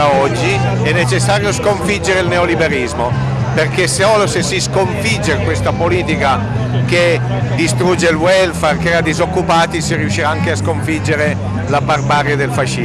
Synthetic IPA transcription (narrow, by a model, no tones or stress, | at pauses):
aɔd͡ʒːiɛnːet͡ʃesːaːɾjoskoɱfid͡ʒːeɾeilneolibeɾizmo | perkeseɔlosesiskoɱfid͡ʒːekwest̪apoliːt̪ika | ke | d̪ist̪ɾud͡ʒːelwɛlfarkeɾad̪izokːupaːt̪isiriuʃːiɾaaŋkeaskoɱfid͡ʒeɾe | labarbaːɾjad̪elfaʃːi